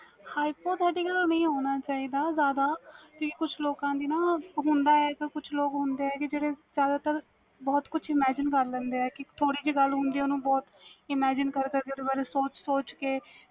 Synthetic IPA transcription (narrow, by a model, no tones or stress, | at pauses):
haːipoːʈ̪ɦɛːɖiːɡəlnəĩːɦoːnaːt͡ʃaːiːd̪aːzjaːd̪aːt̪ũːkikʊt͡ʃʰloːkãːd̪iːnãːɦʊ̃nd̪aːɛːkɪkʊt͡ʃʰloːkɦʊnd̪eːɛːkɪd͡ʒeːɽeːzjaːd̪aːt̪əɾ | bɔːt̪kʊt͡ʃʰɪmɛːd͡ʒɪnkəɾlɛ̃ːnd̪eːɛːkɪt̪ʰoːɽiːd͡ʒiːɡəlɦʊ̃nd̪iːoːnũːbɔːt̪ɪmɛːd͡ʒɪnkəɾkəɾked̪eːbaːɾeːsoːt͡ʃsoːt͡ʃkeː